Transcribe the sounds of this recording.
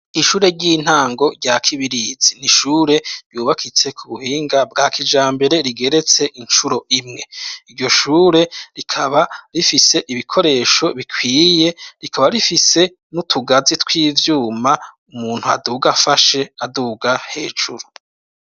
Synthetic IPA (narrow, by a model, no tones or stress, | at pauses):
iʃuːɾe̞ɟiːn̥haːŋɡo̞ɾɟakʰiβiɾiz̥iniʃuːɾe̞ɾjuːβakʰit͡se̞kʰuβuhiːŋɡabɡaːkʰid͡ʒaːmbe̞ɾe̞ɾiɡe̞ɾe̞t͡se̞ʔint͡ʃuɾo̞ʔimŋe̞iɾɟo̞ʃuːɾe̞ɾikʰaβaɾifise̞ʔiβikʰo̞ɾe̞ːʃo̞βikʰwiːje̞ɾikʰaβaɾifise̞ | nutʰuɡazitwiːvjuːma | umuːn̥hua̰duːɡafaʃe̞aduːɡahe̞ːd͡ʒuɾu